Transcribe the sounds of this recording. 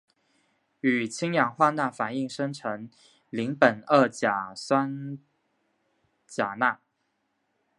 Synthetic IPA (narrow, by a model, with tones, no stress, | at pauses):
y˨˩t͡ɕʰi˥ŋjɑ˨˩ŋxwa˥˧na˥˩fa˨˩ni˥˩ŋʂə˥ŋʈ͡ʂʰɤ˧˥ŋ | li˧˥ŋpə˨˩nə˥˩t͡ɕja˨˩swa˥n | t͡ɕja˨˩na˥˩